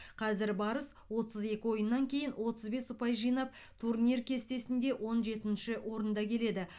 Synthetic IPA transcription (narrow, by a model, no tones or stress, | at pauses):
qʰɑzɪɾbɑɾəs | wo̞t̪əze̞kʲɪwo̞jənːɑŋkʲʰe̞jɪnwo̞t̪əzbe̞sʊpɑjʒijnɑp̚ | t̪ʰuɾnʲirkʲʰe̞st̪e̞sɪnd̪e̞wʔo̞nʒe̞t̪ɪnʃɪwo̞ɾənd̪ɑkʲʰe̞le̞d̪ɪ